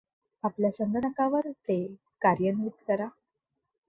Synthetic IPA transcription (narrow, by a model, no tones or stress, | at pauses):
apljasənɡ̪ənəkãʋəɾt̪e | kaɾjənmit̪kəɾa